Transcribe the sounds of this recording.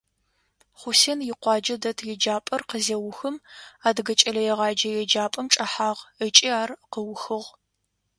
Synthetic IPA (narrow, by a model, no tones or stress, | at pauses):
χʷʊsenjɪqʷɑːd͡ʒɐdɐtʰjɛd͡ʒaːpʼɐrqəzewʊxɨmaːdɡɐt͡ʃʼɐlɐjɛʁɑːd͡ʒɐjɛd͡ʒaːpʼɐmʈ͡ʂʼɐħaːʁət͡ʃʼiaːrqəwxɨʁ